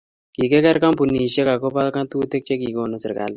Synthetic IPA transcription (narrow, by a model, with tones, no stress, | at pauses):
ki˨kɛ˦kɛ˦ɾka˦mpu˨ni˨ʃe˦ka˨ko˦pa˦lka˦nt̪u˦t̪e˦k̚t͡ʃe˦ki˨ko˦˨no˦sɪ˨ɾka̰˨l